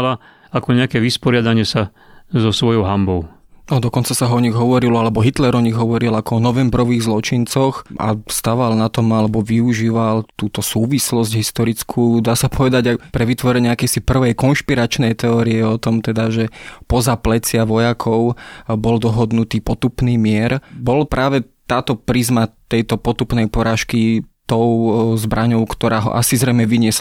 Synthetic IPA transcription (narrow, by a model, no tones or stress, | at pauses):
la | akɔɲɛakɛʋispɔɾɪad̪aɲɪɛsa | zɔsʋɔjɔʊɦambɔʊ | nɔd̪ɔkɔnt͡sasaɦɔɲiɣɦɔʋɔɾilɔalɛbɔɦit̪lɛɾɔɲiɣɦɔʋɔɾilakɔɔnɔʋɛmbɾɔʋiːɣzlɔt͡ʃint͡sɔxa̰st̪aʋalnat̪ɔmalɛbɔʋiuʒiːʋalt̪uːt̪ɔsuːʋislɔzɟɦist̪ɔɾit͡skʰuːd̪aːsapʰɔʋɛd̪aɟapɾɛʋit̪ʋɔɾɛɲɛakɛjsipr̩ʋɛjkɔnʃpiɾat͡ʃnɛjt̪ɛɔːɾiɛɔt̪ɔmt̪ɛd̪aʒɛpɔzaplɛt͡sɪaʋɔjakʰɔʊbɔld̪ɔɦɔd̪nut̪iːpɔt̪upniːmɪɛɾbɔlpɾʔaːʋɛ | t̪aːt̪ɔpɾizmat̪ɛjt̪ɔpɔt̪upnɛjpɔɾaːʃkit̪ɔʊzbɾʔaɲɔʊkt̪ɔɾaːɦɔ̰ʔa̰sizɾɛjmɛʋiɲɪɛs